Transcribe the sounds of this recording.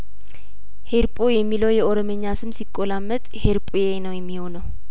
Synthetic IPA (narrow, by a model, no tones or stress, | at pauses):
heɾpʼojɛmːiləwjɛʔoɾoməɲːasɨmsikʼːolamːət̪ʼheɾpʼujenəwjɛmːihonəw